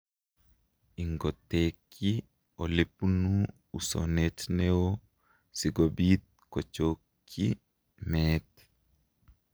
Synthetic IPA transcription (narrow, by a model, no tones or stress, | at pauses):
iŋɡɔt̪ːeːkʰːi | olepunuː | so̰netnewo | siɡobiːt̪̚kɔt͡ʃoːkʰːi | mɛːt